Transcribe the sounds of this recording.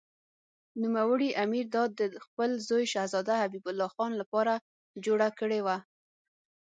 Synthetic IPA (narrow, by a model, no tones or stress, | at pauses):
numawəɽiʔamiɾd̪ɑd̪ːəxpəlzojʃahzɑd̪ahabibʊlːɑxɑnlapɑɾa | d͡ʒoɽakəɽewa